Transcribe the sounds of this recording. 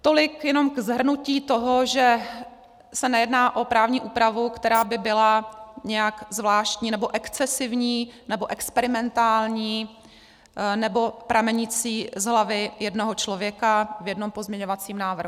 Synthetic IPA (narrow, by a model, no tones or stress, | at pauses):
t̪o̞lɪkjɛno̞mkzɦr̩nuciːt̪oɦo̞ʒɛ | sɛnɛjɛdnaːʔo̞pɾaːvɲiːʔuːpɾavukt̪ɛɾaːbɪbɪlaɲɛjakzvlaːʃt̪ɲiːnɛbo̞ʔɛkt͡sɛsɪvɲiːnɛbo̞ʔɛkspɛɾɪmɛnt̪aːlɲiː | nɛbo̞pɾʔamɛɲɪt͡siːzɦlavɪjɛdnoɦot͡ʃlo̞vjɛkavjɛdno̞mpozmɲɛɲo̞vat͡siːmnaːvɾr̩ɦu